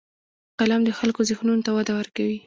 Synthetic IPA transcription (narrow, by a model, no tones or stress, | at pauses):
qalamd̪əxalkozexnunot̪awad̪awəɾkawi